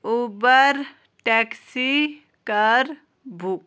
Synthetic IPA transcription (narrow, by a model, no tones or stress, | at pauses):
uːbəɾ | ʈɛksi | kəɾ | bʱuːk